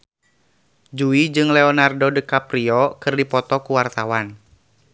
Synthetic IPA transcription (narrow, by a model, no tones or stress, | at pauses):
d͡ʒuid͡ʒɨŋlɛɔnardɔdəkapɾiɔkɨrdipɔt̪ɔkuwart̪awan